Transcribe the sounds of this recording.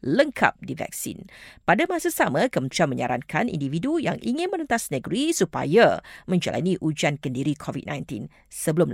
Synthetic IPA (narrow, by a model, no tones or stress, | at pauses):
ləŋkʰa̰p̚divɛ̰k̚sḭnpadamasasamãkəmənt̪ɾianmə̃ɲaɾankʰanḭndividuja̰ŋʔiŋɪ̃nmənə̃nt̪asnəɡəɾisupa̰jamə̃ɲd͡ʒa̰lʔa̰nĩʔud͡ʒankəndiɾikʰɔvḭd̚nãjnt̪in | səbəlʊm